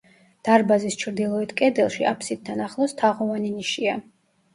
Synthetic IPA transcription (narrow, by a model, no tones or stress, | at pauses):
d̪̥aɾbazist͡ʃʰɾd̪ilˠɔit̪ʰkʼɛd̪ɛlˠʃia̰pʰsid̪̚d̪anaχlˠɔst̪ʰaʁɔvaniniʃia